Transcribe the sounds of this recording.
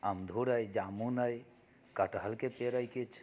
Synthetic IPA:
əmd̪ʱuɾəjd͡ʒamunəj | kəʈɦəlkepeɾəjket͡ʃʰ

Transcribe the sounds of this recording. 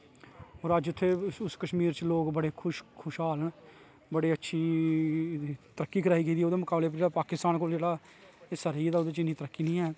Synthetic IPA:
oːɾəd͡ʒʊt̪ʰːeːʊskəʃmiːɾt͡ʃəloːɡbəɽeːkʰʊʃkʰʊʃɦaːləɳ | bəɽeːətːʃʰiː | t̪əɾəkːiːkʰəɾaːiːkiːd̪iːoːd̪eːmʊkaːbleːpəɾd͡ʒeːɽaːpaːkɪst̪aːnkoːld͡ʒeːɽaː | səɾiːd̪aːʊd̪eːt͡ʃɪnːiːt̪əɾəkːiːnĩːɦɛː

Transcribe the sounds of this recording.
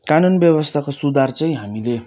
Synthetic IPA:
kanunbjʌbʌst̪ʰakosud̪ʱart͡sʌj̃ɦamile

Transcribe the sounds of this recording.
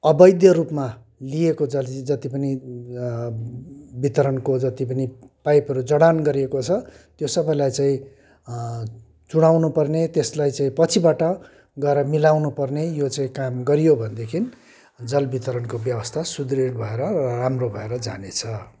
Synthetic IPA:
ʌbʌjd̪jʌɾupma | liekod͡zʌlid͡zʌt̪ipʌni | bit̪ʌɾʌnkod͡zʌt̪ipʌnipajpɦʌɾud͡zʌɽanɡʌɾiekot͡sʰʌt̪josʌbʌjlajt͡sãĩ | t͡suɽ̃awnupʌrnet̪eslajt͡saĩpʌt͡sʰibaʈʌ | ɡʌeɾʌmilawnupʌrnejot͡saĩkamɡʌɾijobʱʌnd̪ekʰin | d͡zʌlbit̪ʌɾʌnkobjʌbʌst̪ʰasud̪riɽbʱʌeɾʌrʌramrobʱʌeɾʌd͡za̰net͡sʰʌ

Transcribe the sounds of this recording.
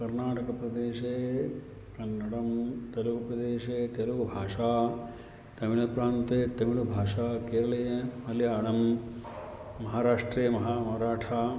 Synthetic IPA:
kɐɾnaːʈɐkɐpɾɐd̪eːʃeː | kɐnːɐɽɐmt̪ɐlukɐpɾɐd̪eːʃeːt̪ɐlukbʱaːʂaː | t̪ɐmiɭɐpɾaːnt̪eːt̪ɐmiɭɐbʱaːʂaːkeːɾɐɭɐjɐmɐljaːɳɐm | mɐɦaːɾaːʂʈɾeːɐmɐɦaːmɐɦɐɾaːʈʰaː

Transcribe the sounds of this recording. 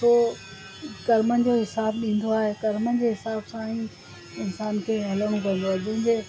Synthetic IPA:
oː | kɐɾmənd͡ʑoɦɪsaːbɗĩːn̆d̪oaːɦekɐɾmən̆d͡ʑeːɦɪsaːbsãĩ | ɪnsaːnkʰeːɦɐləɽ̃ũkɐ̃n̆d̪oaːed͡ʑɐ̃ɦɪ̃ɲd͡ʑeː

